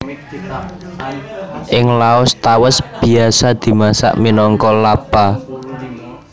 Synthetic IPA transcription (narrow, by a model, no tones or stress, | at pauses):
ʔɪŋlaʊst̪awəsb̥i̤asad̪̥i̤masa̰ʔminɔŋkɔlab̥a